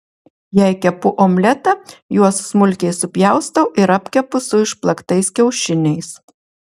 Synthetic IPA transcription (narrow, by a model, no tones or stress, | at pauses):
jɛɪkʲɛpʊʔomʲlʲɛt̪ɐjuɔsːmʊlʲkʲɛɪsʊpʲjæˑʊst̪ɐʔɪɾɐpʲkʲɛpʊsʊɪʃplˠɐkt̪ɐɪskʲɛʊʃʲɪnʲɛɪs